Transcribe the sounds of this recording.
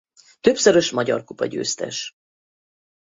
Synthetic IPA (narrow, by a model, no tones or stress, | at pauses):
t̪øpsøɾøʃmɒɟɒ̰rkupɒɟø̰ːst̪ɛ̰ʃ